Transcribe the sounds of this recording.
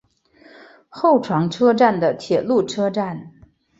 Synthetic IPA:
xo˥˩ʊʈ͡ʂʰwɑ˧˥ŋʈ͡ʂʰɤ˥ʈ͡ʂa˥˩nd̪ə˩t̪ʰjɛ˨˩lu˥˩ʈ͡ʂʰɤ˥ʈ͡ʂa˥˩n

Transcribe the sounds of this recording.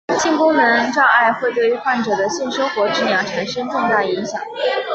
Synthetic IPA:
ɕi˥˩nkʊ˥ŋnə˧˥nʈ͡ʂɑ˥˧ʊʔa˥˧ɪxwe˥˧ɪt̪we˥˩ɪy˧˥xwa˥˩nʈ͡ʂɤ˨˩d̪ə˦ɕi˥˩nʂo˥ŋxwɔ˧˥ʈ͡ʂɻ̩˥˩njɑ˧˩ʈ͡ʂʰa˨˩nʂɤ˥nʈ͡ʂʊ˥˧ŋt̪a˥˩i˧˥ŋɕjɑ˨˩˦ŋ

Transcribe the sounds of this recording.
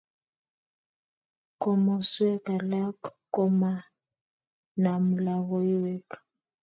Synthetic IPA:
kɔ˨mɔ˨swɛ˦ka˨la˦kko˦ma˦ | na˨mu˨la˨ɣɔ˦i˦wɛ˦k

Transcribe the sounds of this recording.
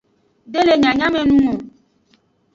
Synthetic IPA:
ɖe˦le˨ɲã˨ɲã˦mẽ˨nũ˦ŋo˨

